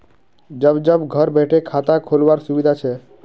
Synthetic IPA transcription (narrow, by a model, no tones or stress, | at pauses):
d͡ʒəbd͡ʒəbɡʱəɾbeʈʰekʰat̪akʰolʋaɾsubid̪ʱat͡ʃʰɛ